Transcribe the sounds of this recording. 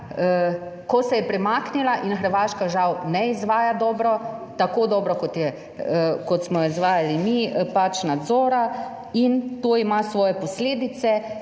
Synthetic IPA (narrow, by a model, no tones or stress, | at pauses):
kɔsɛjɛpɾɛmaːknilaʔinxəɾʋaːʃkaʒawnɛizʋaːjad̪ɔːbɾɔt̪akoːd̪ɔːbɾɔkɔt̪jɛ | kɔt̪smɔizʋaːjalimipat͡ʃnad̪zɔːɾa | int̪oːimasʋɔːjɛpɔsleːd̪it̪sɛ